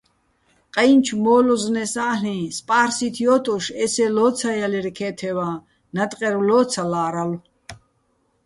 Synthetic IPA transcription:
qʼajnt͡ʃʰmɔːlɔznɛsaːɬĩspʼaːɾsit̪ʰjɔt̪ʼɔʃɛsɛlɔt͡sʰajaliɾkʰɛːt̪ʰɛvaː | nat̪ʼqʼɛɾulɔːt͡sʰalaːɾalu

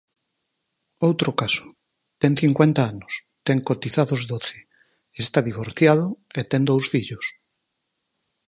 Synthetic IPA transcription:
owt̪ɾokasʊ̥ | t̪ɛŋθiŋkwent̪aanʊs | t̪ɛŋkot̪iθaðozd̪oθe̥ | est̪aðiβ̞oɾθjað̞ʊet̪ɛŋd̪owsfiʎʊs

